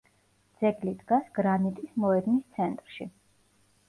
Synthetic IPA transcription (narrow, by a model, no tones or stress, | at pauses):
d̪z̥ɛɡlid̪ɡasɡ̥ɾanit̪ʼismɔɛd̪mist̪sʰɛnt̪ʼɾʃi